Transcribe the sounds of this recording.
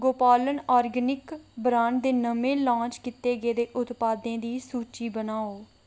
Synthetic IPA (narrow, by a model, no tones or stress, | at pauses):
ɡoːpaːlənaːɾɡənɪkbɾãːɳɖd̪eːnəmẽːlãːt͡ʃkɪt̪eːɡeːd̪eːʔʊt̪paːd̪ẽːd̪iːsuːt͡ʃiːbənaːoː